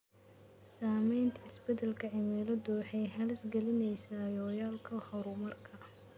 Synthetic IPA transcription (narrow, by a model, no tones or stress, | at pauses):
saːmɛjnt̪ʰɐɪsbɛd̪ɐlkʰɐʕɪmɛlɐdʊwɑħɑjhɐlɪsɡɛlɪnɛjsaːjɔːjaːlkʰɐhɔɾʊmɐrkʰɐ